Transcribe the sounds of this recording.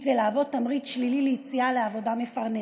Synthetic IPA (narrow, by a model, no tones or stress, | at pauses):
velaːvo̞d̚t̪amʁit̪ʃlilileit͡sialeavo̞d̪ame̞faʁne